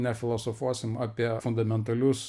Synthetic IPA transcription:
nʲɛfʲɪlˠosofuɔsʲɪmɑːpʲiɛfʊnd̪ɐmʲɛnt̪ɐlʲʊs

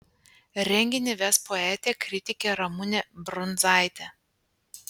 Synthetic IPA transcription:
ɾʲɛŋʲɡʲɪnʲɪʋʲɛspoɛt̪ʲeːkɾʲɪt̪ʲɪkʲeɾɐmʊnʲɛbɾʊnzɑˑɪt̪ʲɛ

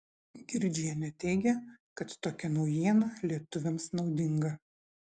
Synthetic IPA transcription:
ɡʲɪɾʲd͡ʒʲijɛnʲɛt̪ʲɛɪɡʲɛkɐt̪ːoːkʲɛnɒʊjiɛnɐlʲiɛt̪ʊʋʲɛmsnɒʊd̪ʲɪŋɡɐ

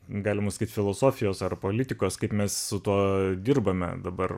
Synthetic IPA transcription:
ɡɑːlʲɪmɐsɐ̥kiːt̪fʲɪlˠoːsoːfʲɪjoːsɐrpoːlʲɪt̪ʲɪkoːskɐɪpmʲɛssʊt̪uɔd̪ʲɪrbɐmʲɛ̰d̪ɐbɐr

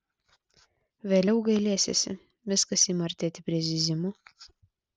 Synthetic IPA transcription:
ʋʲeːlʲɛʊɡɐɪlʲeːsʲḛsʲɪ̰ | ʋʲɪskɐsiːmɐɾʲt̪ʲeːt̪ʲɪpʲɾʲiɛzʲɪzʲɪmʊ

